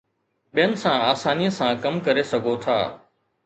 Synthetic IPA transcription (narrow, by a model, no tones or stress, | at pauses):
ɓijənɪ̆sãaːsaːnijəsãkɐmkɐɾesɐɡʱot̪ʰa̰ː